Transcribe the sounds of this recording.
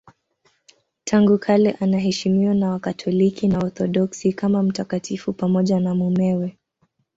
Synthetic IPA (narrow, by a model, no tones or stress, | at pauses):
tʰaŋɡukʰalɛʔanaɦɛʃimiɔnawakatʰɔlikinaɔɾθɔɗɔksikamam̩takatʰifupamɔʄanamumɛwɛ